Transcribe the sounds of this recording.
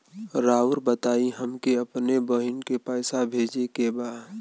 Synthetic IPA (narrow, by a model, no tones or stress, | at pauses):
ɾaːʊɾbət̪aːiɦəmkeəpnebəɦɪnkepəːsabʱeːd͡ʒekebaːd̪